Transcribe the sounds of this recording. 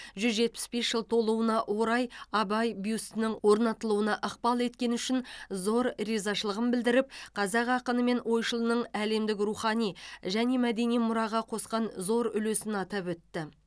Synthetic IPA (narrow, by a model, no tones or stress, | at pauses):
ʒʏzʒe̞t̪̚pɪ̥sbe̞sʒəlˠt̪ʰo̞lˠuənɑʔwoɾɑjɑbɑjbijust̪ɪnɪŋwo̞ɾnɑt̪əlˠuwənɑʔəqpɑlˠe̞t̪kʲe̞nʏʃɪnzo̞ɾɾizɑʃəlˠəʁəmbɪld̪ɪɾɪp̚qʰɑzɑqɑqənəme̞nwo̞jʃəlˠənəɴæle̞md̪ɪk̬ruχɑnijʒæne̞mæd̪e̞nijmʊɾɑʁɑqʰo̞sqɑnzo̞ɾʏ̰lesɪnɑt̪ɑpwɵt̪ːɪ